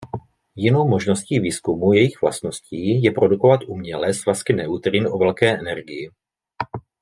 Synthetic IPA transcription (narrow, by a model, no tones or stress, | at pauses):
jɪno̞wmo̞ʒno̞sciːviːskumujɛjɪɣvla̰st̪no̞sciːjɛpɾo̞duko̞vat̪ʔumɲɛlɛsvaskɪnɛut̪ɾɪnʔovɛlkɛːʔɛnɛɾɡɪjɪ